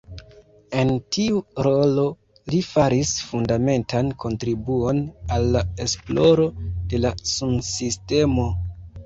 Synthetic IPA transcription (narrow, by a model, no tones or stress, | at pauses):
e̞ntiuɾo̞lo̞ | lifaɾisfundame̞ntankʰo̞ntɾibuo̞nalːaesplo̞ɾo̞de̞lasumsiste̞mo̞